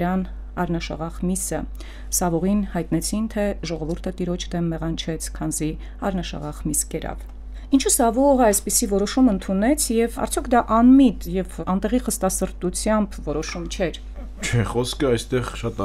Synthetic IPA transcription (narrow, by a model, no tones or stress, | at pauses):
ɾɑn | ɑɾnɑʃɑ̰ʁɑʁmisə | sɑvɔʁinhɑjt̪nɛt͡sʰint̪ʰɛʒɔʁɔvuɾt̪ʰət̪iɾɔt͡ʃʰd̪ɛmːɛʁɑnt͡ʃʰɛt͡sʰkʰɑnzi | ɑ̰ɾnɑʃɑ̰ʁɑʁmiskɛɾɑ̰v | int͡ʃʰusɑvɔʁəɑjspisivɔɾɔʃumənt̪ʰunɛt͡sʰjɛvɑ̰ɾt͡sʰjɔkʰd̪ɑʔɑnmit̪jɛvɑnt̪ɛʁiχəst̪ɑsəɾt̪ut͡sʰjɑmbvɔɾɔʃumt͡ʃʰɛɾ | t͡ʃʰɛχɔskʰəɑjst̪ɛʁʃɑt̪